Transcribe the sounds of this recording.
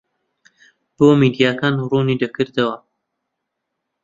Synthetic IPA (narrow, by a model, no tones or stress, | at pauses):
b̥oːmid̪ijaːkaːnruːnid̪ɐkɨɾd̪ɐwɐ